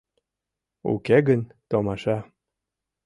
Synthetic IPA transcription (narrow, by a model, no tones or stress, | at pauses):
ṵkeɡənt̪omɑʃɑ